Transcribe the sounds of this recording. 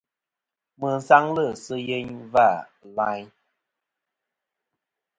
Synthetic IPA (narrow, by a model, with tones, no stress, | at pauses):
mə˨n̩˨sa˦ŋlə˦˨sə˦je˦ɲva˦˨la˦ɲ